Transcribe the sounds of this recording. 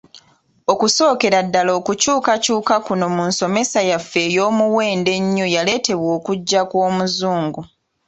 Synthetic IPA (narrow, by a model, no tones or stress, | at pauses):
o̞kuso̞ːke̞ɾadːaloːkucuːkacuːkakuno̞munso̞me̞sajafːe̞ːjo̞ːmuwe̞ːnde̞ɲːojale̞ːte̞βwo̞ːkuɟːakwoːmuzuːŋɡu